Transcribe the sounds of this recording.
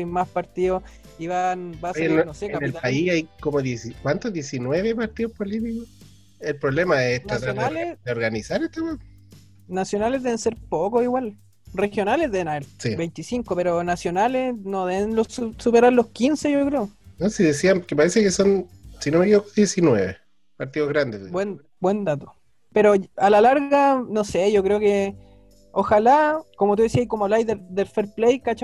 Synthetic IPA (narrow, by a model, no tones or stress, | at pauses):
imaspaɾt̪io | iβanbaeeɾnosekanelaiajkomoðjesikwant̪oðjesinweβepaɾt̪iðohpolit̪̬iko | elpɾoβlemaest̪ɾat̪aɾðealledeoɾɣanisaɾeht̪apa | nasjonalezðe̞βenseɾpokosiwal | rexjo̞nalezðeenaeɾsibejnt̪isiŋkope̞ɾonasjo̞nalenoðeβenlosusupeɾaɾlo̞hkinseʝokɾeonosiðesiamkepaɾesekesonsinomekeokoðjesinwḛβḛ | paɾt̪ioɣɾand̪ebwen | bwend̪at̪o̥ | peɾoalalaɾɣanoseʝokɾeoke | oxalakomot̪uðesiaikomolajðeɾd̪elfeɾplejkat͡ʃa